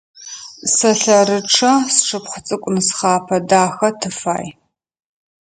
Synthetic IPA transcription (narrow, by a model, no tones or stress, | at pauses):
sɐɬɐɾɨʈ͡ʂʰɐsʈ͡ʂʰɨpχʷət͡sʼɨkʷʼʊnɨsχɑːpʰɐdaːxɐtʰɨfa̰ːj